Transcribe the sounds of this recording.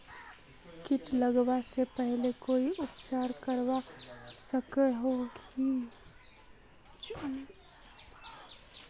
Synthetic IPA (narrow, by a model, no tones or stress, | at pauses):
kɪʈləɡwasepɛɦlekoːiʔʊpt͡ʃaːɾkəɾwasəkeɦoɡi